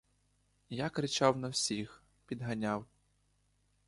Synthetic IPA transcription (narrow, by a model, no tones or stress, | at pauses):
jakɾɪt͡ʃɑwnɐwsʲix | pʲid̪ɦɐnʲaw